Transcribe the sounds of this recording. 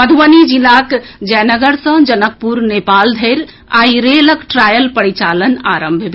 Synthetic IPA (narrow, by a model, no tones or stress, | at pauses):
əd̪ʱuʋənid͡ʒilaːkd͡ʒɛnəɡəɾsə̃d͡ʒənək̚puɾneːpaːld̪ʱeɾ | aːiɾeləkʈɾaːjəlpəɽit͡ʃaːlənaːɾə̃mbʱb